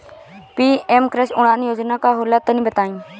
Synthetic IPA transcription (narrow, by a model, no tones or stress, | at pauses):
piːemkɾesʊɽ̃ãːnijoːd͡ʒnaːkaːɦolaːt̪ːənĩːbət̪aːĩː